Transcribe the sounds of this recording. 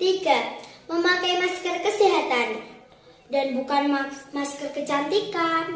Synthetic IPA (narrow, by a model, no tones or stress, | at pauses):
t̪iɡaməmakajmaskərkəsiɦat̪an | danbukanmaskərkət͡ʃant̪ikan